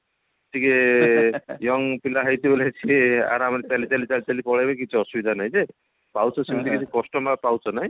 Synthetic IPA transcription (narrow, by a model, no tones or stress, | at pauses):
t̪ʰike | jɔŋpilaɦajt̪ibolet͡ʃʰia̰ɾamɾet͡ʃalit͡ʃalit͡ʃalit͡ʃalipɔɽajbekit͡ʃʰuɔsubid̪ʱanaj̃d͡ʒe | pawt͡ʃʰɔsimit̪ʰikit͡ʃʰikɔsʈɔmapawt͡ʃʰɔnaj̃